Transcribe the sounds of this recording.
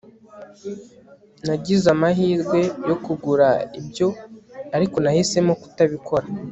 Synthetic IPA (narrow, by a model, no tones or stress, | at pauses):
naɟizamaɦiːɾɡwe̞jo̞kuɡuɾaibjo̞aɾiko̞nahise̞moku̥taβikʰo̞ɾa